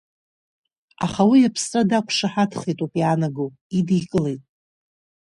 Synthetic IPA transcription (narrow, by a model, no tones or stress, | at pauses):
a̰χawijapʰst͡sʼadakʷʰʂaħatʰχejtʼupʼianaɡo | idijkʼɨlejtʼ